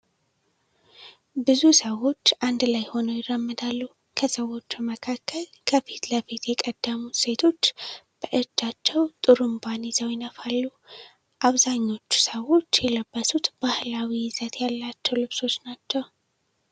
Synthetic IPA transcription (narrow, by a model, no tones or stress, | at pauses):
bɨzusəwo̞t͡ʃːʔand̪lajho̞nəjɪrəmːɨd̪alːu | kʰəsəwːo̞t͡ʃːuməkʰakʰːəl | kʰəfit̪ləfit̪jɛkʼəd̪̥ːəmuse̞t̪ʰo̞t͡ʃːb̥əʔɨd͡ʒːat͡ʃːɛwt̪ʼɨɾɨmbanizəwjɪnəfalːu | ʔaβzaɲːo̞t͡ʃːu̥səwo̞t͡ʃːjɛləbːəsut̪b̥ahlawiɪzət̪ʰjalːat͡ʃːɛwlɨβso̞t͡ʃːnat͡ʃːɛw